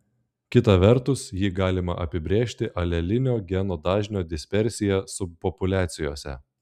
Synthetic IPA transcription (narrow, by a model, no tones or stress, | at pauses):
kʲɪt̪ɐʋʲɛɾt̪ʊsjiːɡɑːlʲɪmɐ̰ʔɐ̰pʲɪbʲɾʲeːʃʲt̪ʲɪʔɐlʲɛlʲɪnʲoːɡʲɛnoːd̪ɑːʒʲnʲoːd̪ʲɪsʲpʲɛɾʲsʲɪjɛsʊpɔpʊlʲæːt̪sʲɪjoːsʲɛ̰